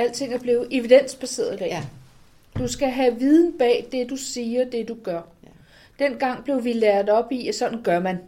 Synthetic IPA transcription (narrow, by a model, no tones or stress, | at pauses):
æl̰t͡sʰe̝ŋ̰æɐb̥liːʊð̩ˠʔe̝ʋid̥en̰sb̥æse̝̰ːɐðˠid̥ɛ̰ | d̥usɡ̥æɦæʋið̞ˠn̩b̥ɛ̰ːd̥e̝d̥usiːɐd̥e̝d̥uɡ̥ɶɐ | d̥en̰ɡ̥ɑ̈ŋ̰b̥le̝ʊʋilæɐð̩ˠɒ̽b̥isɒ̽d̥n̩ɡ̥ɶɐmæn